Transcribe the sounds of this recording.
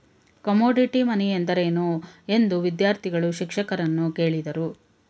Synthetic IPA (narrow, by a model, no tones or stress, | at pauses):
kɐmoːɖiʈimɐniend̪ɐɾeːnue̞nd̪uʋid̪jaːɾt̪ʰiɡɐɭuʃikʂɐkɐɾɐnːuke̞ːɭid̪ɐɾu